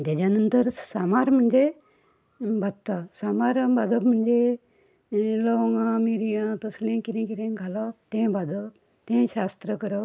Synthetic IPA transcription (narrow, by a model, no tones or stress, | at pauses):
t̪ad͡ʑanənt̪əɾsamaɾm̤əɳd͡ʑe | bʱad̪t̪ːasamaɾbʱad͡zəbm̤əɳd͡ʑe | lɔŋɡãmiɾijãt̪əslẽkiɾẽkiɾẽɡʱalat̪ẽbʱad͡zəp | t̪ẽɕast̪ɾəkəɾə